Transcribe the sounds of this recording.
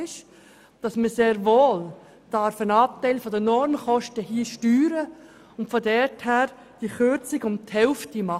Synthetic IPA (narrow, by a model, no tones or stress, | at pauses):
ɪʃ | d̥ɑsməseːɾʋoːl | d̥ɑɾfənɑːp̚tɛɪlfɔdənɔɾmχɔʃtəhiəʃtyːɾə | ʊntfɔdɛthæːɾ | d̥iəχøɾt͡sɪɡʊmthɛlftimɑ